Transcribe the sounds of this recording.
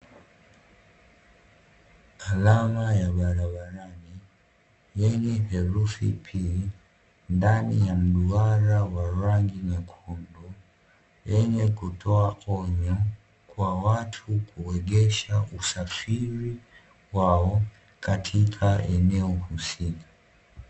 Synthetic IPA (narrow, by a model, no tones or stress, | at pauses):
alamajaɓaɾaɓaɾani | jɛɲɛhɛɾufḭpʰi | ndanijam̩ɗuaɾawaɾaŋɡinakʰundu | jɛɲɛkutʰɔaʔɔɲɔ | kwawatʰukʰuwɛɠɛʃaʔusafiɾi | waɔ | katʰikʰaɛnɛɔhusikḁ